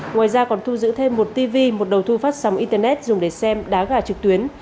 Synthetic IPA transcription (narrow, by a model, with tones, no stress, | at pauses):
ŋwaː˨˩jzaː˧kɔ˨˩nt̪ʰu˧zɨ̰˧˥t̪ʰe˧mːo˨˩t̚t̪i˧vi˧mo˨˩t̚ɗə˨˩wt̪ʰu˧faː˦˥t̚sa˨˦wŋ͡mʔi˧nt̪əː˧nɛ˦˥t̚zʊ˨˩ŋ͡mɗe˧˩sɛ˧mɗaː˨˦ɣaː˧˩t͡ɕɨ˨˩k̚t̪wi˨˦ən